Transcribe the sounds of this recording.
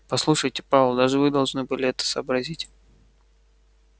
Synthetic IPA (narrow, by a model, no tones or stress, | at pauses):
pɐslˠuʂɨjtʲɪpɾavlˠd̪aʐɨvɨd̪ɐlˠʐnɨbɨlʲɪɛt̪ə̥səːbɾɐzʲitʲ